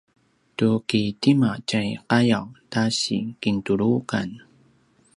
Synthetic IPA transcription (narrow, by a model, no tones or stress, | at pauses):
tukitimat͡ɕajqajawtaɕḭkintuɾukan